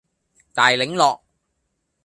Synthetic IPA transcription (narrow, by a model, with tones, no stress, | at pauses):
t̪aː˨jlɪ˨˥ŋlɔː˨k̚